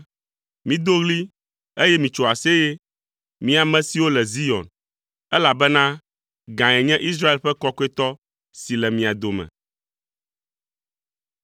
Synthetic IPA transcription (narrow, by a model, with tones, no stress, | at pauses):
mĩ˦d̪o˦ɣli˦ | e˦jɛ˦mĩ˨t͡ʃo˨a˨se˦je˦ | mĩ˦a˨mɛ̃˦si˨wo˦lɛ˨zi˦ɔ̰̃˨n | ɛ˦la˨bɛ˦nã˦ | ɡã˨ɛ˨ɲɛ̃˦ʔi˦s̬ɾa˦e˨lɸɛ˦kɔ˦kɔ˦e˦t̪ɔ˦ | si˨lɛ˨mĩ˨a˨d̪o˨mɛ̰̃˨